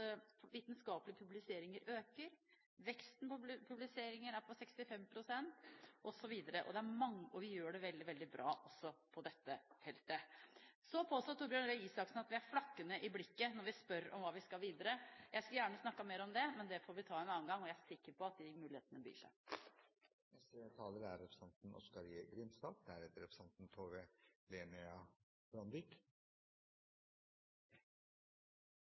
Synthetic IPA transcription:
ʋiːt̪nskɑːplɪəpʰʉblɪseːɾɪŋəɾøːkəɾ | ʋɛkst̪n̩ppʰʉblɪseːɾɪŋəɾæɾpʰɔsɛkst̪ɪfɛmːpʰɾʊsɛnt̪ʔɔsɔʋiːd̪əɾəʔɔ̰d̪ɛæɾmɑŋːɔʋɪjøːɖɛʋɛld̪ɪʋɛld̪ɪbɾʔɑ̰ːʔɔsːɔpʰɔd̪ɛt̪ːəfɛlt̪əsɔpʰoːst̪ɔt̪ʰːʊːɾbjønɾœiːsɑksnɑt̪ʋɪæɾflɑkːənəʔɪblɪkːənɔɾʋɪspœɾɔ̰mʋɑːʋɪskɑlʋiːd̪əɾəjæɪskɑljæːɳəsnɑkːɑmeːɾɔmd̪ɛmɛnd̪ɛfoːɾʋɪt̪ʰɑːɛnɑːənɡɑŋːɔjææɾsɪkːəɾpɔɑt̪̚d̪ɪmʉːlɪhḛːt̪ənəbɾḭːʂæ̰ɪ | nɛst̪ət̪ʰɑːləɾæɾːɛpʰɾsɑnt̪n̩ʔɔ̰skɑɾiɡɾɪnsd̪ɑːɡ̚d̪æɾheːt̪əɾɛpʰɾəsɑnt̪nt̪ʰoːʋeleːnɪɑ | b̥ɾɑnd̪ɪk

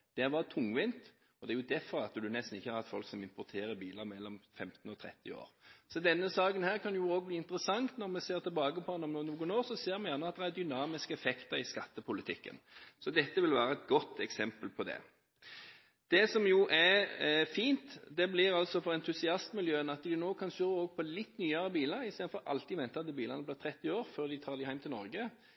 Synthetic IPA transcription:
d̪̥ɛæʋɑɾt̪ʰʊŋːʋɪnt̪ | ɔd̪ɛæɾjʊd̪æɾfɔɾɑt̪ːəd̪ʉnɛst̪n̩ɪçːəhɑɾɑt̪fɔlksɔmɪmpɔɾt̪ʰeːɾəɾbiːləɾmɛlːɔmfɛmt̪n̩ɔt̪ʰɾɛ̰t̪ːɪ̰o̰ːɾsɔd̪ɛnːəsɑːkənhæːɾkʰɑnjʊoːɡ̚bliːɪnt̪əɾəsɑŋt̪nɔɾmɛseːɾt̪ʰɛbɑːɡəpʰɔd̪ɛnɔmnuːnuːɡənoːɾsɔseːɾmɛjænəɑt̪̚d̪ɛæɾd̪ʏnɑːmɪskəɛfɛkt̪əɾɪskɑt̪ːəpʰʊlɪt̪ʰɪkːə̰nsɔd̪ɛt̪ːəʋɪlʋæːɾəɛt̪̚ɡɔt̪ːɛksɛmpəlpʰɔd̪ɛ̰ | d̪̥ɛsɔmjʊʔæɾfiːnt̪d̪ɛblɪɾɑlsɔfɔɾɛnt̪ʰʉsɪɑst̪mɪljøːənɑt̪d̪ɪnoːkʰɑnsøːəoːɡpʰɔlɪt̪ːnyːɑɾəbiːləɾɪseːd̪n̩fɔɾʔɑ̰lt̪ɪmɛnt̪əɑt̪̚d̪ɛbiːlənəblɪːʁt̪ʰɾɛt̪ːɪoːɾføːʁd̪ɪt̪ʰɑːɾd̪ɪhæɪmt̪ɪlnɔ̰ɾɡə

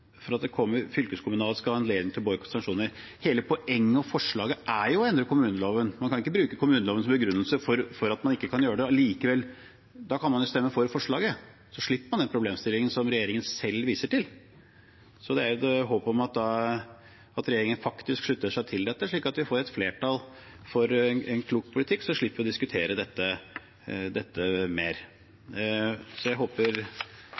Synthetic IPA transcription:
fɔɾɑt̪̚d̪ɛkʰɔmːəɾfʏlkəskʰʊmʉnɑːləskɑɑɛnleːd̪ɪŋt̪ʰɪlbɔːəkʰɔnsɑŋkʂuːnəɾ | heːləpʰɔʔɛŋːəɔfɔʂɭɑːɡəʔæɾjʊɛnd̪ɾəkʊmʉːnəloːʋənmɑnkʰɑnɪkːəbɾʉːkəkʊmʉːnəloːʋənsɔmbəɡɾʉnːəlsəfɔɾfɔɾɑt̪mɑnɪkːəkʰɑnjøːəɖ̪ɛliːkəʋɛlː | d̪ɑkʰɑnmɑnjʊst̪ɛmːəfɔɾfɔʂɭɑːɡə | sɔʂɭɪpːəmɑnd̪ɛnpʰɾʊbleːmst̪ɪlːɪŋənsɔmɾɛjeːɾɪŋənsɛlːʋiːsəʈɪl | sɔd̪ɛæɾd̪ɛɦoːpɔmɑt̪̚d̪ɑ | ɑt̪ɾɛjeːɾɪŋənfɑkt̪ɪskʂɭʉt̪ːəʂæɪt̪ʰɪld̪ɛt̪ːəʂɭiːkɑt̪ʋɪfoːɾɛt̪fleːʈʰɑl | fɔɾnɛnkʰluːk̚pʰʊlɪt̪ʰɪkːsɔʂɭɪpːəʋɪɔd̪ɪskʉt̪ʰeːɾəd̪ɛt̪ːə | d̪ɛt̪ːəmeːɾ | sɔjæɪɦoːpəɾ

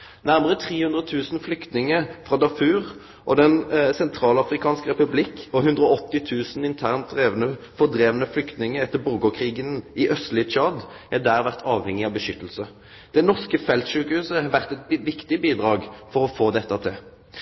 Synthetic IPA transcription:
næʁməʁət̪ʰʁiːhʉnd̪ʁət̪ʰʉːsn̩flʏkt̪nɪŋəfʁɑd̪ɑfʉːʁ | ʔɔd̪ɛnsɛnt̪ʰɾɑːlɑfɾɪkʰɑːnskʁɛpʉblɪkɔɦʉnd̪ʁɔɔt̪ːɪt̪ʰʉːsn̩ɪnt̪ʰæːʁnt̪̚d̪ʁeːʋənə | fɔʁd̪ʁeːʋənəflʏkt̪nɪŋəɛt̪ːəbʊʁɡɔkʰʁiːɡənɪʔœst̪lɪət͡ʃʰɑd̪æd̪æːʁʋæʁt̪ʰɑːʋhɛŋːɪɑʋbəʃʏt̪ːəl̩sə | d̪̥ɛnɔʁskəfɛlt̪ʃʉːkəhʉːsəɛʋæʁt̪ɛt̪bʋɪkt̪ɪbiːd̪ʁɑːɡfɔʁɔfoːd̪ɛt̪ːɑt̪ʰɪl

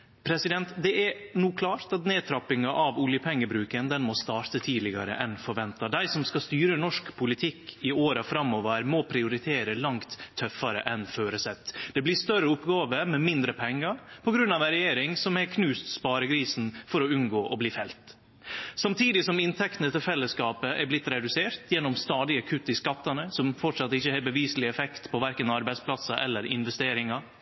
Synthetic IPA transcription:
pʰɾɛsɪd̪ɛnt̪d̪ɛɛɾnuːkʰlɑːɾt̪ɑt̪neːt̪ʰɾɑpːɪŋɑʔɑʋʊljəpʰɛŋːəbɾʉːkənd̪ɛnmɔst̪ɑːɾt̪ət̪ʰiːd̪lɪɡɑ̰ɾə̰ʔɛnfɔɾʋɛnt̪ɑd̪æɪsɔmskɑst̪yːɾənɔʂkpʰʊlɪt̪ʰɪkːɪoːɾɑfɾɑmɔːʋəɾmɔpʰɾɪʊɾɪt̪ʰeːɾəlɑŋt̪ʰːœfɑɾə̰ʔɛnføːɾəsɛt̪ːd̪̥ɛblɪst̪œɾəʊpːɡɑːʋəmɛmɪnd̪ɾəpʰɛŋːəɾpʰɔɡɾʉnːɑʋæɾɛjeːɾɪŋsɔmækʰnʉːst̪spɑːɾəɡɾiːsn̩fɔɾɔʉnɡoːʔɔbliːfɛlt̪ | sɑmt̪ʰiːd̪ɪsɔmɪnt̪ʰɛkt̪ənət̪ɪlfɛlːəskɑːpəʔæɾblɪt̪ːɾɛd̪ʉseːɾt̪jɛnːɔmst̪ɑːd̪ɪəkʰʉt̪ːɪskɑt̪ːɑnəsɔmfɔʈʂɑt̪ːɪçːəhɛːbəʋiːsəlɪɛfɛkt̪pʰɔʋæɾkənɑɾbæɪspʰlɑsɑʔɛlːəɾɪ̰nʋɛst̪eːɾɪŋɑ

